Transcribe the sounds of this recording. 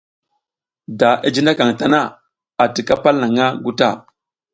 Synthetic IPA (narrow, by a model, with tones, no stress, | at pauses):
da˨ʔa˨d͡ʒi˦nda˦ka˨ŋ˨ta˨na˦ | a˨ti˨ka˦pa˦lna˨ŋa˦ɡu˦ta˦˨